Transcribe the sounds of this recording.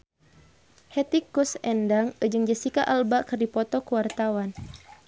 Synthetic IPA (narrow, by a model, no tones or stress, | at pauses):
hɛt̪ikːusɛndaŋəd͡ʒɨŋd͡ʒəsikaʔalbakɨrdipɔt̪ɔkuwart̪awan